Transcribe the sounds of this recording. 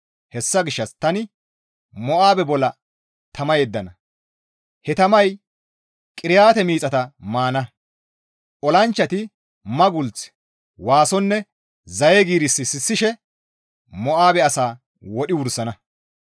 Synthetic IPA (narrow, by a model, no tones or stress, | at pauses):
hɛsːɐɡɪʃːɐst̪ɐnɪ | mɔʔaːbɛbɔlːɐ | t̪ɐmɐjeːd̪ːɐnɐ | hɛt̪ɐmɐj | kʼɪɾɪjaːt̪ɛmiːt͡sʼɐt̪ɐmaːnɐ | ʔɔlɐnt͡ʃːɐt̪ɪ | mɐɡʊlt͡s | waːsɔnːɛ | zɐjɛɡiːɾɪsːɪsɪsːɪʃɛ | mɔʔaːbɛɐsaː | wɔɗɪwʊɾsɐnɐ